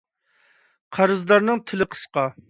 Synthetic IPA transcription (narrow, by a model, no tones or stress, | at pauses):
qʰɑɾɨzd̪ɑɾnɨŋt̪ʰɪlɪqʰə̥sqɑ